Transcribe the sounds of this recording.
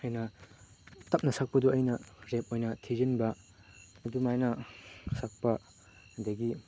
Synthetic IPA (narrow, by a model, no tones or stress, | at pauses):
hɐjnɐ | tɐp̚nɐsɐk̚pɐduɐjnɐɾep̚ojnɐtʰizinbɐ | ɐdumajnɐsak̚pɐ | dɐɡi